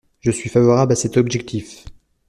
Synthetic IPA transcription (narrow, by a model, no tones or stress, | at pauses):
ʒəsɥifavɔʁablasɛt̪ɔbʒɛk̚t̪ʰif